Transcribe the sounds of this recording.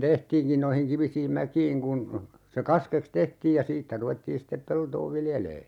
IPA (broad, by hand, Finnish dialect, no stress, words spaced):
tehtiːnkin noihiŋ kiʋisiːm mækiːŋ kun se kɑskeks tehtiːj jɑ siːtːæ ruʋetːiːn̞ sitːep peltoː ʋiljeleː